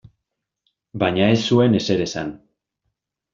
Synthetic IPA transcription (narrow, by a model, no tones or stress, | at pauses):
baɲae̞sːue̞ne̞se̞ɾe̞sa̰n